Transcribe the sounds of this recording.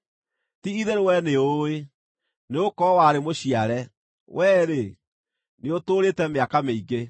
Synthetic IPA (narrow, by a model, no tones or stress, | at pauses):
tiiðeɾewɛneoe | neokɔwaɾemoɕiaɾɛ | wɛːɾe | neotoːɾetɛmeakameiɡe